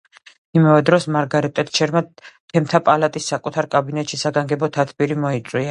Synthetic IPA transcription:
imavɛd̪ɾɔsmaɾɡaɾit̪ʼɛt̪t͡ʃʰɛɾmat̪ʰɛmt̪ʰapʼalat̪ʼisːakʼut̪ʰaɾkʼabinɛt̪ʼʃisaɡaŋɡɛbɔt̪ʰat̪ʰbiɾimɔit̪sʼwia

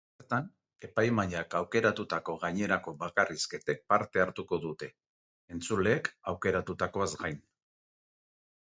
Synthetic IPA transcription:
eɾt̪an | e̞pajmaʎakawke̞ɾat̪ut̪ako̞ɣaɲe̞ɾako̞βakarisket̪e̞k̚paɾt̪e̞aɾt̪uko̞ðut̪e̞ː | nt͡sule̞ːkawke̞ɾat̪ut̪ako̞azɡajn

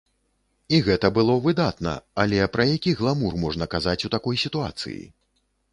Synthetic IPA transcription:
iɣɛt̪ɐbɨlˠɔvɨd̪at̪nɐ̰alʲɛpɾɐjakʲiɣlˠamurmɔʐnɐkazat͡sʲut̪akɔjsʲit̪ua̰t̪sɨ̰jḭ

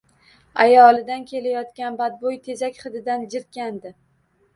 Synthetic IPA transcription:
ajɒlˠɪd̪ankʲʰe̞lajɒt̪kʲanbad̪̚bojt̪ʰe̞zakʲχɨd̪ɪd̪and͡ʒɪɾt̪̚kʲand̪ɪ

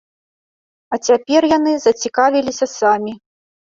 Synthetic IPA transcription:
ɐt͡sʲapʲɛrjan̪ɨzɐt͡sʲikavʲilʲisʲɐsamʲi

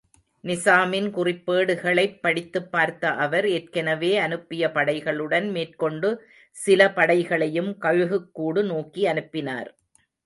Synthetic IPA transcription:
nɪsaːmɪnkʊrɪpːeːɽɯɣɐɭɐɪpːɐɽɪt̪ːɯpːaːɾt̪ːɐʔɐʋɐɾer̚kɐnɐʋeːɐnɯpːɪjɐpɐɽɐɪɣɐɭɯɽɐnmeːrkɔɳɖɯ | sɪlɐpɐɽɐɪɣɐɭɐjɯmkɐɻɯɣɯkːuːɽɯnoːkiɐnɯpːɪna̰ːɾ

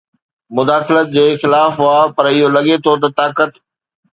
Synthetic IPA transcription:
mʊd̪aːxɪlət̪̚d͡ʑeːxɪlaːfaːpɐɾɪɦolɐɠet̪ʰot̪̬ɐt̪aːkət̪

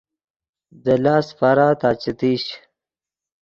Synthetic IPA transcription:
d̪əlaːsfaɾaːt̪aːt͡ɕɐt̪iːɕ

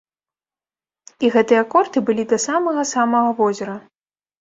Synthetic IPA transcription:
iɣɛt̪ɨjɐkɔrt̪ɨbɨlʲid̪ɐsamɐɣɐsamɐɣɐvɔzʲɐɾɐ

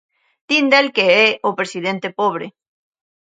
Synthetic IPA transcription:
d̪ind̪elkeeopɾesiðent̪epoβ̞ɾe

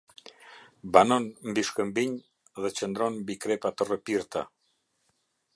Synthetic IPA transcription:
banɔnmbiʃkəmbiɲ | ðət͡ʃənd̪ɾɔnmbikɾɛpat̪ərəpiɾt̪a̰

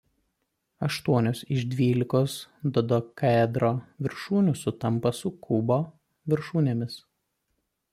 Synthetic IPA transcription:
ɐʃt̪uɔnʲoːsɪʒd̪ʲʋʲiːlʲɪkoːsd̪ɔd̪okɐd̪ɾoːʋʲɪɾʃuːnʲʊsʊt̪ɐmpɐsʊkʰʊboː | ʋʲɪɾʃuːnʲemʲɪs

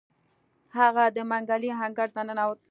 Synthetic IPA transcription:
haɣad̪əmaŋɡaliɦaŋɡaɾt̪anənawə

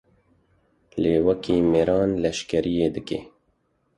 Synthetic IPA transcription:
leːwɐkiːmeɾɑːnlɛʃkɛɾʔijeːd̪ɨkeː

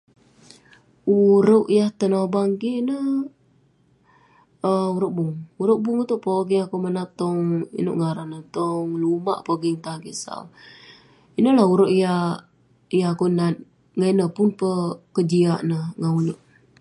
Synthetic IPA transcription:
uɾoʔjaht̪ənobaŋkiʔnə | əuɾəʔbʊŋuɾoʔbuŋut̪uʔpoɡiŋakumənat̪ɔŋḭnṵʔŋaɾanət̪ɔŋlumaʔpoɡiŋt̪aŋkisa̰w | inəlahuɾoʔija | ijaakunat̪̚ | ŋanəpʊnpəkəd͡ʒiaʔnəhŋaunoʔ

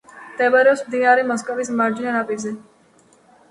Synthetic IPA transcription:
d̪̥ɛbaɾɛɔsmd̪inaɾimɔskʼɔvismaɾd͡ʒinanapʼizɛ

